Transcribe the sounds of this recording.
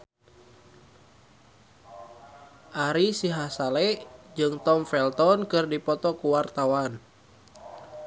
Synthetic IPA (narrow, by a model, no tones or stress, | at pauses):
ʔaɾisiɦasalɛd͡ʒɨŋt̪ɔmfɛlt̪ɔnkɨrdipɔt̪ɔkuwart̪awan